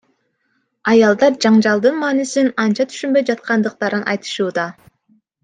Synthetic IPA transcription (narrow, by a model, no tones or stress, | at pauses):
ɑjɑlˠd̪ɑɾd͡ʒɑɴd͡ʒɑlˠd̪ɯnmɑːnisinɑnt͡ʃɑt̪ʰy̥ʃynmbø̞jd͡ʒɑt̪̚qɑnd̪ɯq̚t̪ɑɾɯnʔɑ̰jt̪ɯ̥ʃuːd̪ɑ